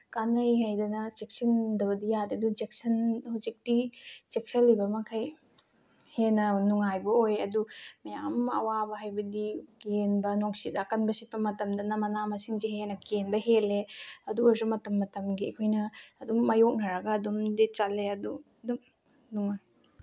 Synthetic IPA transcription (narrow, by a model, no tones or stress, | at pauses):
kanɐjɦajdɐnɐt͡ʃek̚sɐndɐbɐdijadiɐdut͡ʃek̚sɐnhuwzik̚tit͡ʃek̚sɐlːibɐmɐkʰɐj | henɐnuŋajbɐojɐdumɐjamɐ̰wabɐɦajbɐdiɡenbɐnoŋsitakɐnbɐsipːɐmɐtɐmdɐnɐmɐnamɐsiŋzeɦenɐkenbɐɦeleɐduazumɐtɐmːɐtɐmɡiɐkʰojnɐːdumːɐjok̚nɐɾɐɡɐːdumdit͡ʃalːeɐdu | dum | nuŋa